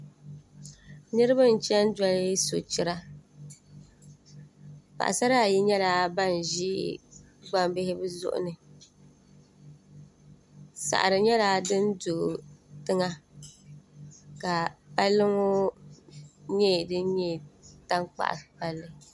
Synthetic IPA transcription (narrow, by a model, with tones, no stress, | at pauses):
nɨ˦ɾɨ˦ba˦n̩˨t͡ʃɛ˦n˦da˦lɪ˦so˨t͡ʃɪ˦ɾa˦ | k͡pa̰˨ʔa̰˨sa˦ɾa˦˨ji˦ɲɛ˦laː˦˨ba˦n˨ʒḭ˦ | ɡ͡ba˦mbɪ˦hɪ˦bɨ˦zʊ̰˦ʔʊ̰˦nɨ˨ | sa̰˨ʔa˨ɾɨ˨ɲɛ˦la˦dɨ˦n˦do˨tɨ˦ŋa˦ | ka˨pa˦lːɨ˦ŋo˦ | ɲɛ˦˨dɨ˦n˦ɲɛ˦˨ta˦ŋk͡pa̰˨ʔpa˦lːɨ˦